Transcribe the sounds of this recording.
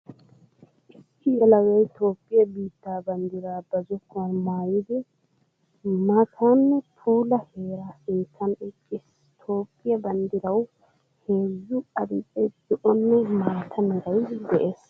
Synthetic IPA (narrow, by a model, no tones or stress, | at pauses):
ʔɪsːɪjɛlɐwɛjt̪o̞ːpʼːɪjɐbiːt̪ːaːbɐnd̪ɪɾaːbɐzɔkːɔnmaːjɪd̪ɛ | mat̪ʰaːnːɛt̪ʰuːlɐheːɾasiːtʰːɐnɪkʼːɪs | t̪ʰo̞ːpʼːɪjɐbɐnd̪ɪɾɐw | heːzːʊɐd̪ɪtʼːɛd̪̥ɔʔɔnːɛmaːt̪ʰɐmɪɾɐjd̪ɛʔe̞ːs